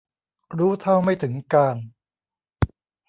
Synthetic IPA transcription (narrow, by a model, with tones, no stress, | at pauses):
ɾuː˦˥t̪ʰa˥˩wma˥˩jt̪ʰɯ˩˦ŋkaː˧n